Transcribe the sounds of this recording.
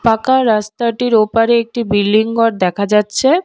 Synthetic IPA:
pakaɾast̪aʈiɾopaɾeek̚ʈibilːiŋɡɔɾd̪ɛkʰad͡ʑatːɕʰe

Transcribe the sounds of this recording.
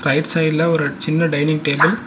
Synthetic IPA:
ɾɐɪʈsɐɪɖlɐɔɾɯt͡ʃɪnːɐɖɐɪnɪŋɡ̚ʈeːbɐl

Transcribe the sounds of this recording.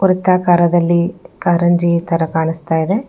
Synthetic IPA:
uɾɐt̪ːaːkaːɾɐd̪ɐlːikaːɾɐɲd͡ʒiːt̪ɐɾɐkaːɳist̪aːjid̪e̞

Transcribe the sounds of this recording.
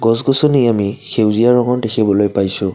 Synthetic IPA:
ɡɔs̬ɡɔsoniamixewzijaɹɔŋɔndexʰibɔlojpajsʊ̃

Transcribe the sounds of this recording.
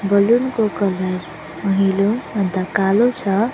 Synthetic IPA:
bʌlunkokʌlʌɾ | mʌɦilomʌd̪ːakalot͡sʰʌ

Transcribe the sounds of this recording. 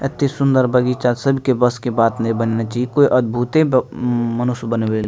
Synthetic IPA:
ɪt̪ːisʊ̃nd̪əɾbɐɡiːt͡ʃaːsɐbʱkebɐskebaːt̪nɐibənnat͡ʃaiekoːiʔɐd̪̚bʱuːt̪e | mɐnʊsbənewe

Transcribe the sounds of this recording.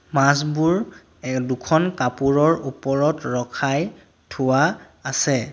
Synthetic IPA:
masbuɹ | dukʰɔnkapuɹɔɹupɔɹɔtɹɔkʰaj | tʰʊwa | asɛ

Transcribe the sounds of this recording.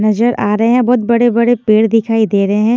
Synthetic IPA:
nɐzəɾʔaːɾɐɦẽɦɛ̃bɔːt̪̚bɐɽebɐɽepeːɽd̪ɪkʰaːid̪eːɾɐɦeɦɛ̃ː

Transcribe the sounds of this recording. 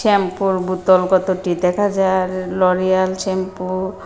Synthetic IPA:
ɛmpuɾbut̪ɔlɡɔt̪oʈid̪ɛkʰad͡ʑaɾlɔɾijalt͡ʃɛmpuɾ

